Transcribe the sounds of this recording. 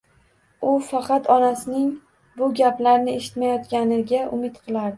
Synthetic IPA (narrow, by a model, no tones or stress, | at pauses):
ʊfɑqɑt̪ɒnasɪnɪŋ | bʊɡʲaplaɾnɪeʃɪ̥t̪majɒt̪kʲanɪɡʲaʔʊmɪt̪qʰɨlˠaɾd̪ɪ